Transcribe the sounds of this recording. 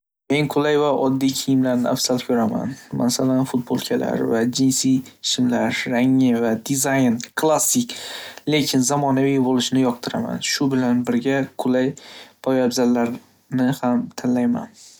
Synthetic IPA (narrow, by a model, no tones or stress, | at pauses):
me̞ŋqʰʊlajvaʔɒd̪ːijkʲʰɪjɪmlaɾnɪafsalˠkʲʰɵɾama̰nma̰salanfʊt̪̚bolˠkʲʰala̰ɾvad͡ʒɪnsijʃɪmlaɾːaŋːɪvad̪ɪzajnkʰlˠasːɪkʲle̞kʲʰɪnzamɒnavijbolˠɪʃnɪjɒqt̪ʰɪɾa̰ma̰nʃʊbɪlanbɪɾɡʲaqʰʊlajpʰɒjabzalːaɾ | nɪhamt̪ʰanlajma̰n